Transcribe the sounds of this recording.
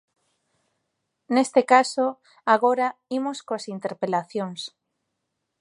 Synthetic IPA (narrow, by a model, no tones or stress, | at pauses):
nest̪ekaso | aɣoɾaimoskoasint̪eɾpelaθjoŋs